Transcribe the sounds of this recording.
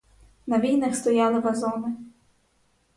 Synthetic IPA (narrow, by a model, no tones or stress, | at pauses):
nɐʋʲijnɐxst̪ɔjɑlˠɪʋɐzɔnɪ